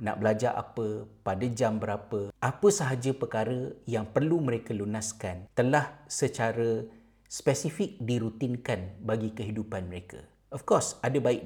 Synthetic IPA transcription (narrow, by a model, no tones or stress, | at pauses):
na̰ʔbəlad͡ʒaʔa̰pəpadad͡ʒambəɾapəapəsaɦad͡ʒəpərkaɾəjaŋpərlumə̃ɾekəlunaskant̪əlahsət͡ʃaɾə | spɛsifɪk̚diɾut̪inkanbaɡikəɦidupanməɾekʰə̰ | ʔɔfkɔrsadəbaɪk̚